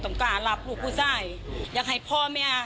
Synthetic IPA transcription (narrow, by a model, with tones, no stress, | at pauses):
t̪ɔ˨˦ŋkaː˧˩la˧˦˥p̚luː˨˧˩k̚pʰuː˥˩saː˥˩jjaː˨˧˩k̚ɦa˨˩jpʰɔː˥˩mɛː˥˩